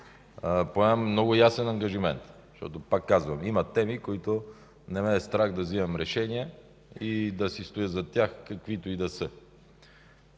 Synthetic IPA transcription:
poɛmnɔɡʊjasɛnɐŋɡɐʒimɛnt̪ | ʃt̪ɔ̰t̪opakːazvɐmimɐt̪ɛmikoit̪o | nɛmɛːst̪ɾaɣd̪ɐzimɛmɾɛʃɛniə | id̪ɐsist̪ojəzɐt̪ʲjaxkɐkvit̪oid̪ɐsə

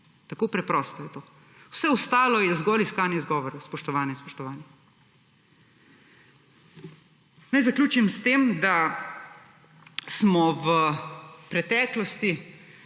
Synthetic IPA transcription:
t̪akoːpɾɛpɾɔːst̪ɔjɛt̪oː | wsɛɔst̪aːlɔjɛzɡɔliskaːnjɛizɡɔːʋɔɾɔwspɔʃt̪ɔʋaːnjɛspɔʃt̪ɔʋaːnjɛ | najzaklʲjuːt͡ʃimst̪eːmd̪a | smɔwəpɾɛt̪ɛːklɔst̪i

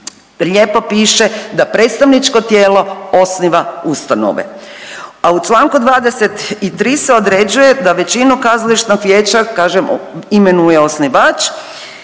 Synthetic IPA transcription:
ʎeːpo̞piːʃe̞d̪apɾe̞ːt̪st̪aʋnit͡ʃko̞t̪jeːlo̞o̞sniʋaust̪ano̰ʋḛ | aut͡ʃlˠaːŋkud̪ʋaːd̪eset̪it̪ɾiːseo̞d̪ɾed͡ʒuje̞d̪aʋe̞t͡ɕinukazaliʃt̪nokʋjeːt͡ʃakaːʒemimenujeosniʋaːt͡ʃ

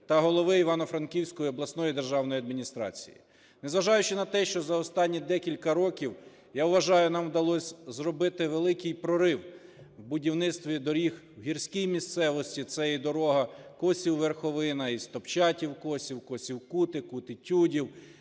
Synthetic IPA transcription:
t̪ɐɦɔlˠɔʋɪiʋɑnɔfɾɐnkʲiwsʲkɔjiɔblˠɐsnɔjid̪erʒɑwn̪ɔjiɐd̪mʲinʲist̪ɾɑ̰t͡sʲḭjḭ | nezʋɐʒɑjʊt͡ʃɪnɐt̪ɛʃt͡ʃɔzɐɔst̪ɑnʲːid̪ɛkʲilʲkɐɾɔkʲiw | jaʊʋɐʒɑjʊnɑmwd̪ɐlˠɔsʲzrɔbɪt̪ɪʋelˠɪkɪjpɾɔɾɪw | wbʊdʲiwnɪt̪st̪ʋʲid̪ɔɾʲix | wɦʲirsʲkʲijmʲist̪sɛʋɔsʲtʲit̪sɛjid̪ɔɾɔɦɐkɔsʲiwʋerxɔʋɪnɐist̪ɔpt͡ʃɑtʲiwkɔsʲiwkɔsʲiwkut̪ɪkut̪ɪtʲudʲiw

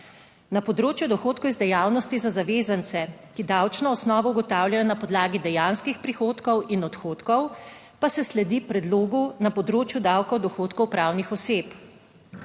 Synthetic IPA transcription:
napɔd̪ɾoːt͡ʃjud̪ɔxoːt̪kɔwizd̪ɛjawnɔst̪izazaʋeːzant̪sɛkid̪awt͡ʃnɔːsnɔːʋɔuɡɔt̪aːwljajɔnapɔd̪laːɡid̪ɛjanskixpɾixoːt̪kɔwʔinɔt̪xoːt̪kɔw | pasɛslɛd̪ipɾɛd̪loːɡunapɔd̪ɾoːt͡ʃjud̪awkɔwd̪ɔxoːt̪kɔwpɾaːwnixɔseːp

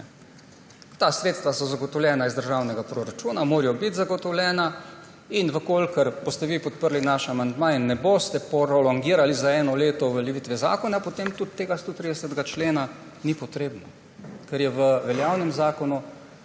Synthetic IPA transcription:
t̪aːsɾeːt̪st̪ʋasɔzaɡɔt̪ɔwljɛːnaizd̪əɾʒaːwnɛɡapɾoɾat͡ʃuːnamoːɾjɔbit̪zaɡɔt̪ɔwlʲjɛːna | inʋəkoːlkəɾkɔst̪ɛʋipɔt̪̚pəɾlinaʃamand̪mainːɛbost̪ɛpɔɾɔlɔŋɡiːɾalizaɛːnɔleːt̪ɔʋəlʲɛʋiːt̪ʋɛza̰ːkɔnapot̪emt̪ut̪ːeːɡast̪oːt̪ɾid̪ɛsət̪ɡat͡ʃleːna | nipɔt̪ɾeːbnɔ | kɛɾjɛʋəʋɛljaːwnɛmzaːkɔnu

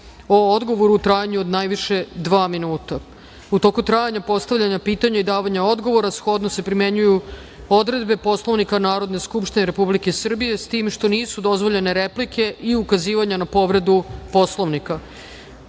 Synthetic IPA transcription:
o̞od̪ɡo̞ʋo̞ɾuːt̪ɾajaɲuod̪najʋiʃe̞d̪ʋaːminuːt̪a | ut̪o̞ːkut̪ɾajaɲapo̞st̪aʋʎaɲapiːt̪aɲaid̪aːʋaɲao̞d̪ɡo̞ʋo̞ɾasxo̞d̪nose̞pɾime̞ɲuju | o̞d̪ɾe̞d̪be̞po̞slˠo̞ʋnikanaːɾo̞d̪ne̞skupʃt̪ine̞ɾe̞publike̞sr̩bije̞st̪iːmʃt̪o̞niːsud̪o̞zʋo̞ʎe̞ne̞ɾeplikʰe̞ʔiukaziːʋaɲanapo̞ʋɾe̞d̪upo̞slˠoʋnika

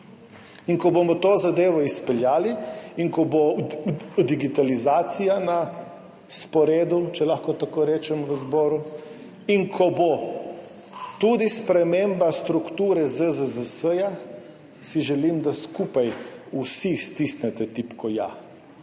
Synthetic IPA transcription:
iŋkɔbomɔt̪oːzad̪eːʋɔispɛljaːliiŋkɔbo | d̪iɡit̪alizaːt̪sijana | spɔɾeːd̪ut͡ʃɛlaxkɔt̪akoɾɛːt͡ʃɛmʋəzbɔːɾu | iŋkʰɔbo | t̪ud̪ispɾɛmembast̪ɾukt̪uːɾɛzəzəzəsəja | siʒɛlimd̪askuːpajusist̪isnɛt̪ɛt̪ipkɔja̰

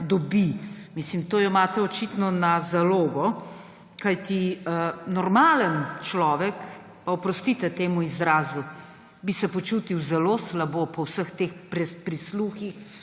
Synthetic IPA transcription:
d̪ɔbimislimt̪oːjɔmaːt̪ɛɔt͡ʃit̪nɔnazaloːɡɔ | kajt̪iənɔɾmaːlənt͡ʃlɔːʋɛk | paɔpɾɔst̪it̪ɛt̪eːmuizɾaːzu | bisɛpɔt͡ʃuːt̪iwzɛloslabopɔwsəxt̪eːxpɾɛpɾisluxix

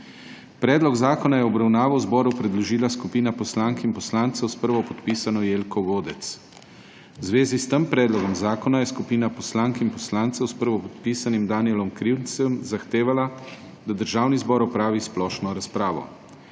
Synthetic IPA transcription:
pɾɛːd̪lɔɡzaːkɔnajɛɔbɾawnaːʋɔwzbɔːɾupɾɛd̪lɔʒiːlaskupiːnapɔslaːŋkinpɔslaːnt̪sɛwspəɾʋɔpɔt̪piːsanɔjeːlkɔɡoːd̪ɛt̪s | wzʋeːzist̪əmpɾɛːd̪lɔɡɔmzaːkɔnajɛskupiːnapɔslaːŋkinpɔslaːnt̪sɛwspəɾʋɔpɔt̪piːsanimd̪aːniɛlɔmkɾiwnsəmzaxt̪eːʋala | d̪ad̪əɾʒaːwnizbɔːɾɔpɾaːʋisplɔːʃnɔɾaspɾaːʋɔ̰

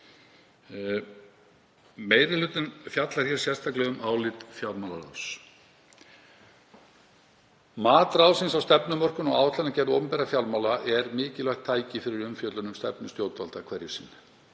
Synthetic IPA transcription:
meːjɾɪlʏːt̪ʏnfjat̪laɾ̥çjɛɾ̥sjɛst̪ʰaklɛɣʏmʔaːwlɪt̪fjalmalaɾa̰ws | maːt̪ɾawsɪnsawst̪ɛpnʏmœr̥kʏmɔɣaːwt̪ʰlɛnacɛɾðo̰pʏmpɛɾafjawlmawlaʔɛɾmɪːcɪlvajht̪ʰːaːjcɪfɪɾɪɾʏmfjœːt̪lʏnʏmst̪ɛpnʏst̪joːwt̪valt̪akʰvɛɾjɪsiːn

